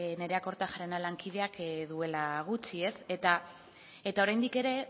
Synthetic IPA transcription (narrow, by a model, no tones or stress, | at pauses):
ne̞ɾe̞ako̞ɾt̪axaɾenalaŋkið̞e̞akðue̞laɣ̞ut͡ʃie̞se̞t̪a | e̞t̪ao̞ɾajnd̪ike̞ɾe̞